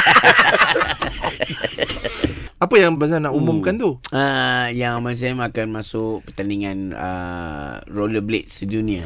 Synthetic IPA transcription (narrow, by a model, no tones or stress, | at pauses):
apəjaŋbasanaʔumʊmkant̪uəjaŋamans̬amakanmasʊk̚pərt̪aniŋanə̰ | roləblɪ̰t̪̚sədunia